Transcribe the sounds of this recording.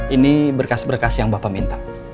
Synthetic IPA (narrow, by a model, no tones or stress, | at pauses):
inibərkasbərkasjaŋbapamint̪a